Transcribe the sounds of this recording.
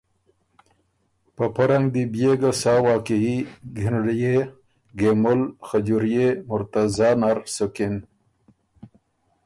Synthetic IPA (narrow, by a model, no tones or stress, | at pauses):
pəpaɾaŋɡd̪ibjeɡasɑːwɑːkiiɡʱinɽje | ɡemʊlxad͡ʒuɾjemʊɾt̪azɑːnaɾsokin